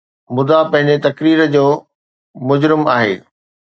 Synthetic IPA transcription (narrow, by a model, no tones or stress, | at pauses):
mʊd̪apɐ̃ɦɪ̃ɲd͡ʑet̪ɐkɾiːɾəd͡ʑoː | mʊd͡ʑɾɪmaːɦḛː